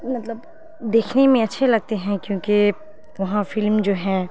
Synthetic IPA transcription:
mɐt̪ləb | d̪eːkʰnemẽɐtːʃʰelɐɡ̚t̪eɦɛ̃kjõːke | ʋɐɦãfɪlmd͡ʒoːɦɛː

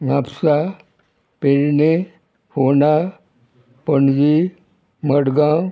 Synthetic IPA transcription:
ŋapʰsa | peɾne | hona | pəɳd͡ʒi | məɽɡãw

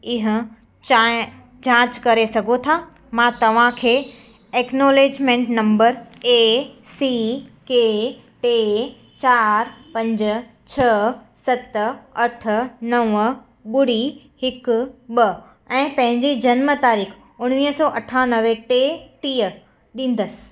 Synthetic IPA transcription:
ɪɦə̆ | a | d͡ʑãːt͡ɕkɐɾesɐɡʱot̪ʰa | mãːt̪ɐʋ̤ãkʰeː | eːknoːleːd͡ʑmẽɳʈnɐ̃mbəɾeːsike | ʈeː | t͡ɕaːɾpɐ̃ɲd͡ʑʊt͡ɕʰɐsɐt̪ɐʈʰə̆nɐʋə | ɓʊɽi | hɪkɓɐ | ɛ̃ːpɐ̃ɦɪ̃ɲd͡ʑid͡ʑɐnmət̪aːɾiːk | ʊɽ̃ʋiːɦsɔːʔɐʈʰanɐʋeʈeːʈiːə | ɗĩːn̆d̪əsɪ̥

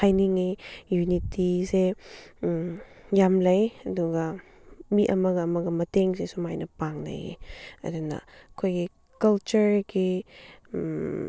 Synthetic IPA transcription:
ajniŋijunitise | jamlɐjɐduɡɐ | miʔɐmɐɡɐːmɐɡɐmɐteŋsesumajnɐpaŋna̰jḛɐ̰dunɐ̰kʰojɡi | kɐlt͡ʃuɾɡi

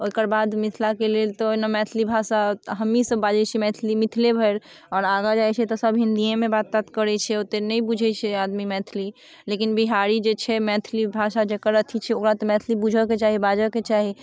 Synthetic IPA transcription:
oikəɾbad̪mit̪ʰlakelelt̪ɔnamɛt̪ʰlibʱasaɦəmːisəbːad͡ʒət͡ʃʰɛmɛt̪ʰlimit̪ʰlebʱəɾ | ɔːɾaɡad͡ʒajt͡ʃʰɛt̪ɔsəbʱɦind̪ijemebat̪t̪at̪kəɾɛt͡ʃʰɛot̪enɛibud͡ʒʱɛt͡ʃʰɛad̪mimɛt̪ʰli | lekinbiɦaɾid͡ʒet͡ʃʰɛmɛt̪ʰlibʱasad͡ʒekəɾət̪ʰit͡ʃʰɛokɾat̪ɔmɛt̪ʰlibud͡ʒʱəket͡ʃaɦibad͡ʒəket͡ʃaɦi

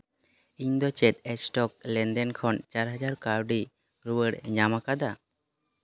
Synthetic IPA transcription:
iɲd̪ɔt͡ʃɛt̪ɛsʈɔk̚lɛnd̪ɛnkʰɔnt͡ʃaɾɦad͡ʒaɾkaɾɖi | ɾuwəɽɲamakad̪a

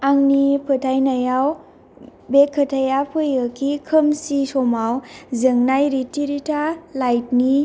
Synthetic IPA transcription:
aŋnipʰɯtʰajnajaw | bekʰːətʰajapʰɯjɯkʰikʰəmsisɔmawzɯŋnajɾitiɾitʰalajt̚ni

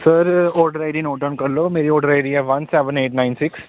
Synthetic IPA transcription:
səɾɔːɖəɾaːɪɖinoːʈənkɐɾloːmeːɾioːɖəɾaɪɖiɛːʋɐnsɛːʋə̃neːʈnaɪnsɪks

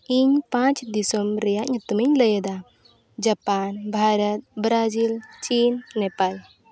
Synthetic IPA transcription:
iɲpãt͡ʃd̪isɔmɾɛjaʔɲt̪umiɲləjɛd̪a | d͡ʒapanbʱaɾət̪̚bɾad͡ʒilt͡ʃinːɛpaj

